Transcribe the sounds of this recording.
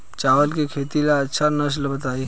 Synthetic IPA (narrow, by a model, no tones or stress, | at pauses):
t͡ʃaːʋəlkekʰeːt̪ilaɐtːʃʰanɐs̬lbət̪aːi